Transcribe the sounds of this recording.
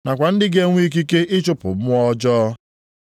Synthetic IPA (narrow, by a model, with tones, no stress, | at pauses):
na˨kʷa˨n̩˦dɪ˦ɡe˦ŋʷ˦i˦k̬i˦ke˦ɪ˦t͡ʃʊ˦pʊ̰˨mʊ˦ɔ˦d͡ʒɔː˦